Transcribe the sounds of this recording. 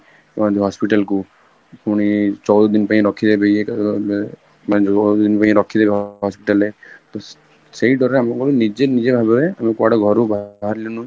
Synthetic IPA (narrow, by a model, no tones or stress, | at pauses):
ãd̪iɦɔspiʈalku | kuɽ̃it͡ʃɔwd̪ɔd̪inpaĩɾɔkʰid̪ebejek | mad͡ʒɔɔɔd̪inpaĩɾɔkʰːid̪ebeɦɦɔspiʈalet̪o | seiɖʱɔɾeamɔkɔɾunid͡ʒenid͡ʒebʱabebeamekuaɽɔɡʱɔɾubaɦaɾlinu